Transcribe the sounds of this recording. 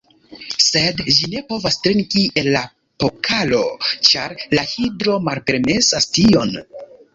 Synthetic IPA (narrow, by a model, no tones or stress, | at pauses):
se̞dʒine̞po̞vastɾiŋkienla | po̞kʰalo̞t͡ʃaɾlahidɾo̞malpe̞ɾme̞sastio̞n